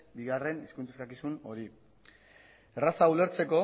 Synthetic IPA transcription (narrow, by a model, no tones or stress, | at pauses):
biɣare̞niskunt͡saskakisuno̞ɾi | erasaule̞ɾt͡se̞ko̞